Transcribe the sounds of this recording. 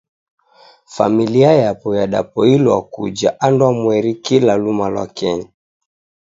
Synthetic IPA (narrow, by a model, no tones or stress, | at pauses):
fa̰miliajapɔjaɗa̰pɔilakṵd͡ʒaʔandwamwɛɾikilalumalwa̰kɛɲa